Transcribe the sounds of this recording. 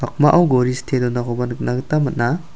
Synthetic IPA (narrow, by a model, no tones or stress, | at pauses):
bak̚maʔawɡoɾistʰedɔnakɔbanknaɡtamɐt̚na